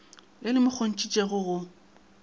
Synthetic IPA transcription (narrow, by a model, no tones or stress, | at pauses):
ɪlɪmʊk͡xʰon̩t͡ʃʼit͡ʃʼeɣʊɣʊ